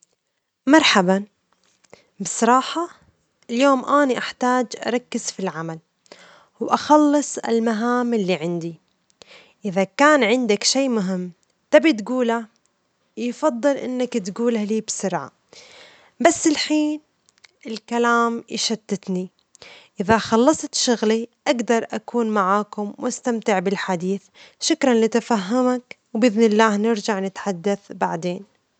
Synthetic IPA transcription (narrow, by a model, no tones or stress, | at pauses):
mɑɾˤħaba | bɪsˤɑɾˤɑːħɑ | ɪljoːmʔaːniʔaħt̪aːd͡ʒʔɑ̰ɾˤɑkːɪz̥filʕamal | wʔaxɑlːɨsˤɪ̰lmaɦaːmɪlːiːʕɪnd̪i | ʔɪðakaːnʕɪnd̪akʃiːmʊɦɪmː | t̪abit̪ɡuːla | jfɑd̪ˤːɨlʔɪ̰nːakt̪ɡuːlaliːbsʊɾʕa̰ | basːɪlħiːn | ɪlkalaːmjʃat̪ːɪt̪ni | ʔɪðaxɑlːɑsˤt̪ʃʊɣliʔaɡd̪ɑɾˤʔakuːnmaʕaːkʊmwʔast̪amt̪ɪʕbɪlħad̪iːθʃʊkɾanlɪt̪afaɦːamak | wbɪðnɪlːaːhnɪɾd͡ʒaʕnɪt̪ħad̪ːaθbaʕd̪eːn